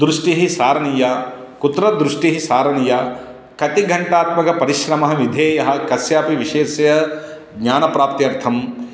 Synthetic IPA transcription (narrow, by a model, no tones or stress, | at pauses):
d̪ɾuʂʈiɦisaːɾɐnija | kut̪ɾɐd̪ɾuʂʈiɦisaːɾɐnija | kɐt̪iɡʱɐɳʈaːt̪mɐkɐpɐɾiʃɾɐmɐɦɐʋid̪ʱeːjɐɦɐ̆kɐsjaːpiʋiʃeːsjɐ | ɡɲaːnɐpɾaːp̚t̪jɐɾt̪ʰɐm